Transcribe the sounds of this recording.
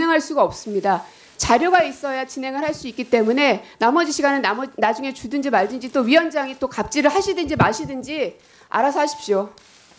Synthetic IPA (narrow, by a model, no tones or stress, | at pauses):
e̞ŋɦaɭs͈uɡaʌp̚s͈ɯmɲida | t͡ɕaɾjoɡais͈ʌjat͡ɕine̞ŋɯɭɦaɭs͈uik͈it͈e̞mune̞namʌd͡ʑiɕʰiɡanɯnnad͡ʑuŋe̞t͡ɕudɯnd͡ʑimaɭd͡ʑɯnd͡ʑit͈oɥiwʌnd͡ʑaŋit͈okap̚t͡ɕ͈iɾɯɭhaɕʰidɯnd͡ʑimaɕʰidɯnd͡ʑi | a̰ɾasʰʌɦaɕʰi̥p̚ɕ͈o